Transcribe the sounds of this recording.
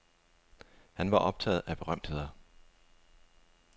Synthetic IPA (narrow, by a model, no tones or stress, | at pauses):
hænʋɑ̈ʔɒ̽b̥̚t͡sʰɛ̰ːð̞̩ˠæb̥e̝ʁɶm̰d̥he̝ð̰ˠɐ